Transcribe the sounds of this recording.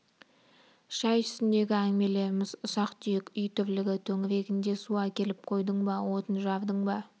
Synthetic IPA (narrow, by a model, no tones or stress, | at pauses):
ʃɑjt̪ʰʏ̥sɪnd̪e̞ɡʲɪæŋme̞le̞ɾɪmɪzʊsɑqt̪ʏjekʲʏjt̪ʰʏɾlɪɡʲɪt̪ʰɵŋɪɾe̞ɡʲɪnd̪e̞suɑkʲʰe̞lɪp̚qʰo̞jd̪əɴbɑwo̞t̪ənʒɑvd̪əɴbɑ